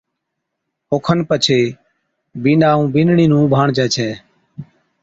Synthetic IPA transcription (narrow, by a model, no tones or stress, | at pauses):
oːkʰənpət͡ʃʰeː | biːnaːũːbinɳiːnũːbʱaːɳd͡ʒɛːt͡ʃʰɛː